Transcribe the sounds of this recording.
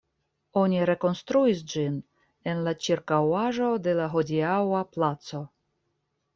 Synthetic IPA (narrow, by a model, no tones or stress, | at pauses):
o̞nʲiɾe̞ko̞nst̪ɾuis̬d͡ʒin | e̞nlat͡ʃiɾkawaʒo̞de̞laɦo̞diawaplat͡so̞